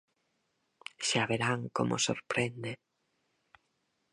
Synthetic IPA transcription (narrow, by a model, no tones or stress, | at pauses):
ʃaβeɾaŋko̰mʔoso̰ɾpɾend̪e